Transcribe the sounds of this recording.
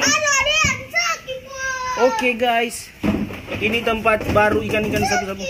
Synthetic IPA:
ʔokeɡajs | init̪əmpat̪̚baɾuikankankat̪ka

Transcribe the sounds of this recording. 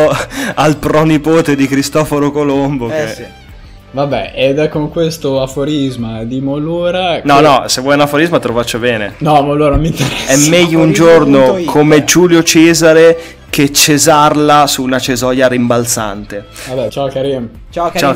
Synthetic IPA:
alpɾɔnipoːt̪ed̪ikɾist̪ɔfoɾokolomboke | vabɛed̪ɛkːoŋkwest̪oafoɾizmad̪imoluːɾanɔnɔsevːɔjunafoɾizmat̪ɾovat͡ʃːobɛːnḛnɔmolːuɾanomint̪eɾɛsɛmmːɛʎːound͡ʒornokʰomed͡ʒuːljot͡ʃɛːzaɾe | k̟et͡ʃːezarlasuːnat͡ʃezɔːjaɾimbalt̪sa̰nt̪e | vabɛt͡ʃakaɾim | t͡ʃat͡ʃa

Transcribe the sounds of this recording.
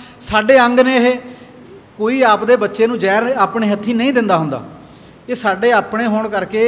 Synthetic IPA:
saːɖeːəŋɡneːɦeː | koːiːaːpd̪eːbətːʃeːnũːd͡ʒɛːɾaːpɳeːɦət̪ʰːiːnəĩːd̪ɪnd̪aːɦʊ̃nd̪a̰ː | eːsaːɖeːaːpɽeːɦoːɳkəɾkeː

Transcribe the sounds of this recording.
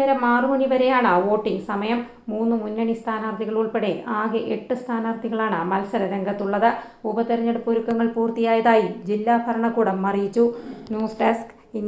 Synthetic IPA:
eɾɐmaːrumuniʋɐɾejaːɳɨʋo̞ːʈːiŋɡsɐmɐjɐmː | uːnːɨmunːɐɳist̪ʰaːnaːrd̪ʱiɣɐɭuɭpeɽeaːɣɨʔeʈːɨst̪ʰaːnaːrd̪ʱiɣɐɭaːɳɨmɐlsɐɾɐɾeŋɡɐt̪ːuɭːɐðɨ | ubɐt̪iɾɐɲːɐɽɨpoɾukːɐŋːɐɭpuːrt̪ijaːjɐðaːjid͡ʑilːaːbʱɐɾɐɳɐkːuːɽɐmːɐrijit͡ɕːunjuːsɖesk | in

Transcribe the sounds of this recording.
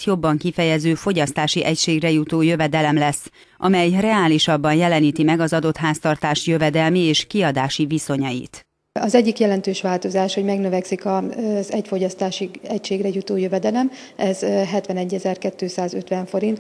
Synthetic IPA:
tjo̞bːɒŋkifɛjɛzøːfo̞ɟɒst̪aːʃiʔɛcʃeːɡrɛjut̪oːjø̞vɛd̪ɛlɛmlɛsː | ʔɒmɛjrɛaːliʃɒbːɒnjɛlɛniːt̪imɛɡɒzɒd̪o̞t̪ɦaːst̪ɒrt̪aːʃjø̞vɛd̪ɛlmieːʃkiɒd̪aːʃiviso̞ɲɒjḭt̪ | ɒzɛɟːikjɛlɛnt̪øːʃʋaːlt̪o̞zaːʃho̞ɟmɛɡnøvɛksikɒzɛcfo̞ɟɒst̪aːʃiɛcʃeːɡrɛjut̪oːjøvɛd̪ɛlɛm | ɛzɦɛt̪vʋɛnɛɟːɛzɛrkɛt̪ːøːsaːzøt̪ʋɛɱfo̞ɾint̪

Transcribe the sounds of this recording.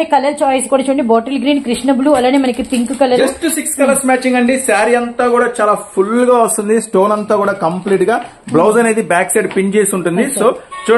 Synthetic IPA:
ikɐlɐlt͡ʃaːjisi̥kuːɽaːt͡ʃuːɐɳɖiboːʈɐlɡɾiːnkɾiʂɳɐbluːɐlaːnimɐnɐkipiŋkukɐlːɐd͡ʒɐsʈsikskɐlɐɾsmaːt͡ʃiŋɡɐɳɖisaːɾiɐnt̪aːkuːɽaːt͡ʃaːlaːpʰulːɡaːʋɐst̪und̪isʈo̞ːnɐnt̪aːkuːɽaːkɐmpliːʈɡaː | blɐwzɐne̞ːd̪ibaːkseːɖpiɲt͡ʃeːsuɳʈund̪isoːt͡ʃuː

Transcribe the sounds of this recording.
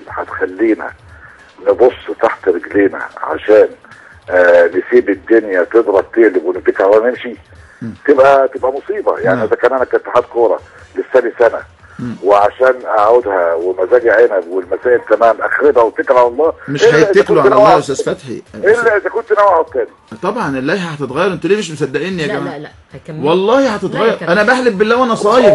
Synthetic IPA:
ħa̰t̪xælːiːnæ̰ | nebosːt̪aħt̪ɾeɡleːnæ̰ʕa̰ʃæːn | ɪsiːbɪd̪ːonjæt̪ed̪ɾˤɑb̚t̪eʕlɪbwenːet̪ekɾalːɑːnemʃi | t̪ebʔæt̪ebʔæmosˤiːbɑjaʕniʔezækæːnʔænækænt̪ːaħat̪koːɾˤɑ | lesːæːbisænæ̰ | wɪʕaʃæːnʔaʕod̪hæwemæzæːɡeʕenæbwelmæsæːʔelk̪æmæːmʔæxɾebhæwet̪ːekɾʕalɑlˤːɑːmeʃħæekluʕlalæːʔost̪æːzfæt̪ħḭelːæʔezækont̪ːnæwʕat̪ːæːnit̪ˤɑbʕɑnʔelːæːjhæhæt̪et̪ɣɑjːɑɾˤʔent̪æliːmeʃ̬mosæd̪ːæʔenːijækæmæː | wɑlˤːɑːhihæt̪et̪ɣɑjːɑɾˤʔænæbæħlebbelːæːwʔænæsˤɑjeb

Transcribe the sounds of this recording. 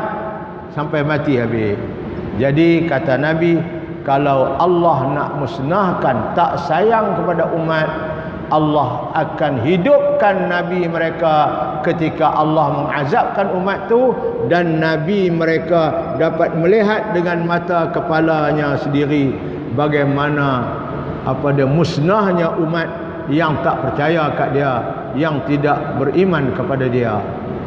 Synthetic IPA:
sampajmat̪iɦabe | d͡ʒadikat̪anabi | kalawʔalːɑhna̰ʔməsnahkant̪aʔsajaŋkəpadaʔumat̪̚ | ʔalːɑɦ | ʔakanɦidʊp̚kanːabiməɾekakət̪ikaʔalːɑhməŋazap̚kanumat̪ːudanːabiməɾekadapat̪̚məliɦat̪̚dəŋanmat̪akəpalaɲasəndiɾi | baɡajmana | ʔapadamusnahɲaʔumat̪̚ | jaŋt̪aʔpərt͡ʃajakaʔdia | jaŋt̪idaʔ̚bərimankəpadadia̰

